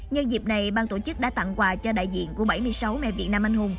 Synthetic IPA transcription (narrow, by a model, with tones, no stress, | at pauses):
ɲə˧ŋzi˨˩p̚na˨˩jɓaː˧nt̪o˧˩t͡ɕɨ˦˥k̚ɗa̰ː˧˥t̪a̰˧˨ŋkwaː˨˧˩t͡ɕɔ˧ɗa̰ː˧˨jzḭ˧˨ənku˧˩əɓə˧˩jmɨ˧əjsa˨˦wmɛ̰˧˨vḭ˨˩ət̚naː˧mʔa˧jŋhu˧ŋ͡m